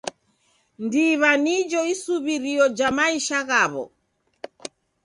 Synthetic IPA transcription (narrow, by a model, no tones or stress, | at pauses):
ndiβanid͡ʒɔisuβiɾiɔd͡ʒamaiʃaɣaβɔ̰